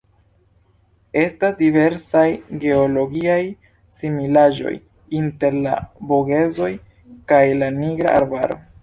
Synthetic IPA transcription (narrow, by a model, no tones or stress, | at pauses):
e̞stasdive̞ɾsajɡe̞olo̞ɡiaj | similaʒo̞̰j | inte̞ɾla̰boɡe̞zo̞j | kajlaniɡɾa̰ʔaɾbaɾo̞̰